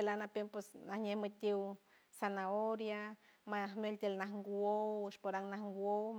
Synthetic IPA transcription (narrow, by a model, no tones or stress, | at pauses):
elanapempesnahɲehmɨt̪ʲiw | sanaoɾjamahmelt̪elnahŋɡwowɨʃpoɾaŋnahŋɡwow